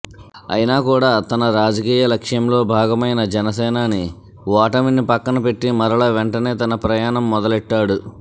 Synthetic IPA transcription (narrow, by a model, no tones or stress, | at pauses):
ɐ̰jinaːkuːɽaːt̪ɐnɐɾaːd͡ʒɐkiːjɐlɐkʂjɐmlo̞ːbʱaːɡɐmɐjnɐd͡ʒɛnɐsɛːnaːni | ʋaːʈɐminipɐkːɐnɐpe̞ʈːimɐɾɐɭɐʋeɳʈɐne̞ːt̪ɐnɐpɾɐjaːɳɐmːɔd̪ɐlɛʈːaːɽu